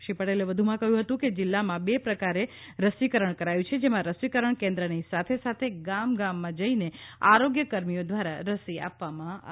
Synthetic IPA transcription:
ʃipəʈeleʋəd̪ʱumãkəɦjũɦət̪ũked͡ʒɪlːamãbepɾəkaɾeɾəsikəɾəɳkəɾajũt͡ʃʰed͡ʒemãɾəsʋikəɾəɳkẽnd̪ɾənisat̪ʰesat̪ʰeɡamɡamːãd͡ʒəineaɾoɡjəkəɾmijod̪ʋaɾaɾəsia̰pʋamãa̰

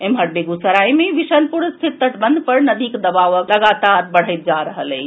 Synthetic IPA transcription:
emɦəɽ̚beɡusəɾajmeʋiʃənpuɾst̪ʰit̪ːəʈ̪bənd̪pəɾnəd̪ikd̪əbaʋəkləɡat̪aɾbəɽ̤əjt̪̚d͡ʒaɾəɦəle

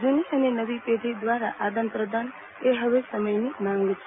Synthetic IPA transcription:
d͡ʒuniʃənenəʋiped̪ʱid̪ʋaɾa̰ʔad̪ə̃nt̪ɾəd̪an | eɦəʋesəməjnimãŋɡt͡ʃʰe

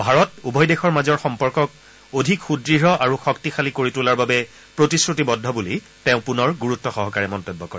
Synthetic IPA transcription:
bʱaɹɔtubʱɔjdexɔɹmazɔɹxɔmpɔɹkɔk̚ | odʱikxudɹiɹɔʔaɹuxɔktixalikoɹitulaɹbabɛ | pɹotisɹutibɔdʱɔbuli | teʊ̃punɔɹɡuɹutːɔxɔɦɔkaɹɛmɔntɔbːɔkɔɹɛ

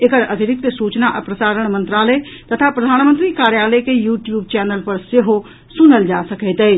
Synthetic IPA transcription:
ekəɾɐd̪ɪɾɪk̚t̪suːt͡ʃnaʔɐpɾəsaːɾəɽ̃mɐ̃nt̪ɾaːləet̪ɐt̪ʰapɾɐd̪ʱaːnmə̃nt̪ɾikaːɾjaːləkejuːʈjuːb̚t͡ʃɛːnəlpɐɾseɦo | sʊnəld͡ʒaːsɐket̪eeː

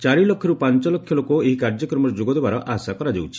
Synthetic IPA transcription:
t͡ʃaɾilokkʰːɔɾupant͡ʃɔlɔkʰːjɔlokoeɦikaɾd͡ʒɔkɾɔmɔɾɔd͡ʒoɡɔd̪ebaɾɔʔaɦsakɔɾad͡ʒḛwt͡ʃʰi̥

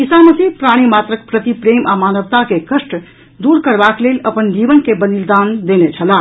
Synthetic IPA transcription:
isaməsipɾaɽ̃imaːt̪ɾək̚pɾət̪ipɾemʔamaːnəʋt̪akekəsʈ | d̪uɾkəɾbakleləpənd͡ʒiʋənkebənild̪aːnd̪enet͡ʃʰəla

